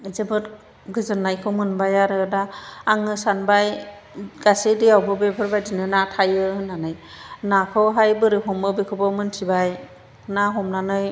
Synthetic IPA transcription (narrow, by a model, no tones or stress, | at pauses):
zebɯt | ɡɯzɯnːajkʰɔmɯnbajaɾɯdaːŋɯsanbaj | ɡ̥asediawbɯbebʰɯɾbajdinɯnatʰajɯhɯnːanɯjnakʰɔɦajbɯɾiɦɔmɯbikʰɯbɔmɯntʰibaj | naɦɔmnanɯj